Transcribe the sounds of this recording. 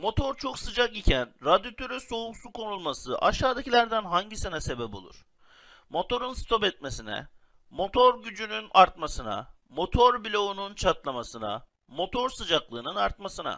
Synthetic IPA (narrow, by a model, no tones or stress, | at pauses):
mo̞t̪ʰo̞ɾt͡ʃʰo̞ksɯd͡ʒakicʰænɾad̪jot̪ʰøɾyso̞uksukʰo̞nulˠmasɯʔaʃaːd̪acilʲæɾd̪ænɦaɲɟisenɛse̞bɛpo̞lˠṵɾ̥ | mo̞t̪o̞ɾunst̪ʰo̞pɛt̪̚me̞sinɛ̰ | mo̞t̪ʰo̞ɾɟyd͡ʒynynaɾt̪masɯna̰ | mo̞t̪ʰo̞ɾbilʲo̞ununt͡ʃʰat̪lˠamasɯna̰ | mo̞t̪ʰo̞ɾsɯd͡ʒaklˠɯːnɯnaɾt̪masɯna̰